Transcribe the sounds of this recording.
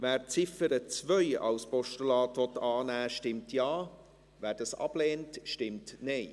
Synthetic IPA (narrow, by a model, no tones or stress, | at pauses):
væːɾt͡sɪfəɾət͡svœʏɑ̰wspɔʃtəlɑːtvɔt̪ɑːnæːʃtɪmtʰjɑː | væːɾdɑsɑ̰b̥leːntʃtɪmtneɪ